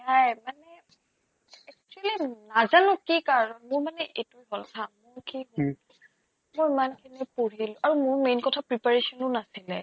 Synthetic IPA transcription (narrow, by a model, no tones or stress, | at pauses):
najmanɛ | ɛk̚t͡ʃualinazanʊkikaɹɔnmʊɹmanɛʔetujɦɔltʰamʊɹkiɦɔ | mɔjimankʰinɛpoɹilʊ̃ʔaɹumʊɹmejnkɔtʰapɹipaɹesɔnʊnasilɛ